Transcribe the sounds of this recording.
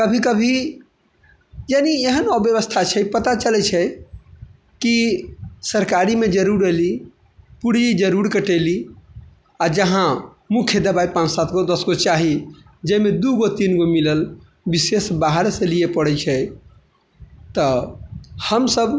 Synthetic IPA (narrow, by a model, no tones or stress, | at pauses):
kəbʱikəbʱi | jenieɦənɔbjəβəst̪ʰat͡ʃʰɛpət̪at͡ʃəlɛt͡ʃʰɛ | ki | səɾkaɾimed͡ʒəɾuɾeli | puɾid͡ʒəɾuɾkəʈəli | ad͡ʒəɦã | mukʰjəd̪əbaipãt͡ʃsat̪ʰɡod̪əsɡot͡ʃaɦi | d͡ʒəmed̪uɡot̪inɡomiləl | bisesbaɦɾsəlijepəɽɛt͡ʃʰɛ | t̪ə | həmsəb